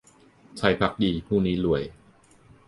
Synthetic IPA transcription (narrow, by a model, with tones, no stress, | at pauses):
t͡ɕʰa˦˧˥jpʰa˦˥k̚diː˧pʰuː˥˩niː˦˥lu˨˩˦əj